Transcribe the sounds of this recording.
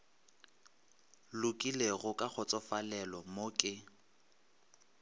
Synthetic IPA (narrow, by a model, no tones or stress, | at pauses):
lʊkʼileɣʊkʼak͡xʰɔt͡sʼɔfalɛlɔmokʼɪ